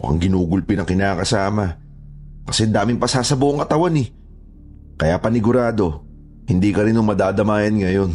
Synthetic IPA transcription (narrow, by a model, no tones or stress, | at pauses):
mkɐ̰ŋɡɪnuːɡʊlpɪnɐŋkɪnaːkɐsaːmɐ | kɐsɛd̪aːmɪmpɐsaːsɐbʊʔoŋkɐt̪ɐwanɪ | kɐjaːpɐnɪɡʊɾaːd̪o̞ | hɪnd̪iːkɐɾɪnʊŋmɐd̪aːd̪ɐmaːjɐnŋɐjo̞n